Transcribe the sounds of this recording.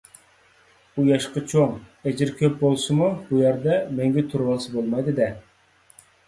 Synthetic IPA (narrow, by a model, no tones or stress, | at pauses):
ujɑʃqɑt͡ʃʰoŋɛd͡ʒɪɾkʲʰøp̚bolˠsɨmubujæɾd̪ɛmɛŋɡʲɛt̪ʰuɾwɑlˠsɨbolˠmɑjd̪ɪd̪ɛ